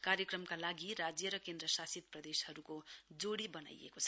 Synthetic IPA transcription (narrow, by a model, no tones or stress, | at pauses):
kaɾjʌkrʌmkalaɡiɾad͡zjʌɾʌkend̪ɾʌsasid̪̚prʌd̪eshʌɾukod͡zoɽibʌna̰j̰ḛkot͡sʰʌ